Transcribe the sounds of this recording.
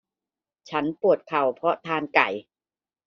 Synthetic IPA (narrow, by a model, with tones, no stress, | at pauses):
t͡ɕʰa˦˥npu˨˩ət̪̚kʰa˨˩wpʰɾɔ˦˥t̪ʰaː˧nka˨˩j